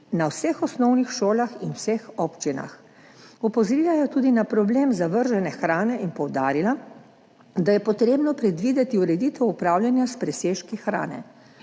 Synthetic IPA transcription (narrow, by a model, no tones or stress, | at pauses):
nawsɛxɔsnɔwnixʃoːlaxinwsɛxɔːpt͡ʃina̰x | ɔpɔzɔɾiːlajɛt̪uːd̪inapɾɔbleːmzaʋəɾʒɛnɛxɾaːnɛʔinpɔwd̪aːɾila | d̪ajɛpɔt̪ɾeːbnɔpɾɛd̪ʋiːd̪ɛt̪iuɾɛd̪iːt̪ɛwupɾaːwlʲjanjaspɾɛseːʃkixɾa̰ːnɛ̰